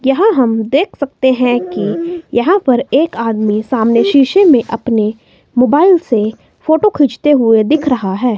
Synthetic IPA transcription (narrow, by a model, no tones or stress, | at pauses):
jɐɦãɦɐmd̪eːkʰsɐk̚t̪eɦɛ̃kijɐɦãpɐɾeːkaːd̪misaːmneʃiːʃemẽʔɐpne | moːbaːɪlse | foːʈokʰɪd͡ʒt̪eɦʊed̪ɪkʰɾɐɦaɦɛː